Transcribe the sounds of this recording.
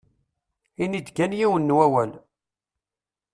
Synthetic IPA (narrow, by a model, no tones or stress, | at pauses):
inid̪kænjiwənːwæwæn